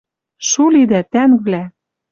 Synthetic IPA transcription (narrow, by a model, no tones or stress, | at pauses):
ʃulid̪æt̪ænvlæ